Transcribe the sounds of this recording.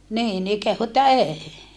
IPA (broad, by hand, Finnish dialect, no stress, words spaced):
niːn ni kehu etːæ eːi